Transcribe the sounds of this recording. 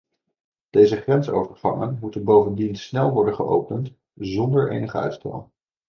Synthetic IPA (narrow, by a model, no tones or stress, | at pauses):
d̥ejzəχrɛnsowvəɹvɑ̰ŋənmutənbowvəndinsnɛlˠʋɔɹdənχəʔo̰wpənt | zɔndəɹʔḛjnəχəœ̰ɥtstɛ̰lˠ